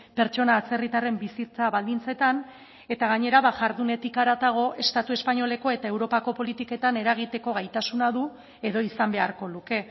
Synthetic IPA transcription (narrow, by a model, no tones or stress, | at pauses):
pe̞ɾt͡ʃo̞naːt͡se̞rit̪are̞mbisit͡saβald̪int͡se̞t̪an | e̞t̪aɣ̞aɲe̞ɾaβaʝaɾðune̞t̪ikaɾat̪aɣ̞o̞ʔe̞st̪at̪ue̞spaɲo̞le̞ko̞e̞t̪ae̞wɾo̞pako̞po̞lit̪ike̞t̪ane̞ɾaɣ̞it̪e̞ko̞ɣ̞ajt̪asunaðu | eðo̞isambe̞aɾko̞luke̞